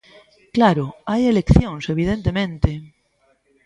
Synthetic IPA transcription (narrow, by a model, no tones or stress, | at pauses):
klaɾoajelekθjõŋseβ̞ið̞ent̪emẽnt̪e